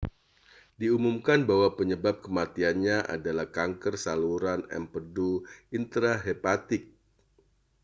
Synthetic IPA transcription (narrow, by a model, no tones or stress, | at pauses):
diumumkanbawapəɲəbap̚kəmat̪ianɲaʔa̰dalahkaŋkərsaluɾanɛ̰mpəduint̪ɾaɦepat̪ɪk̚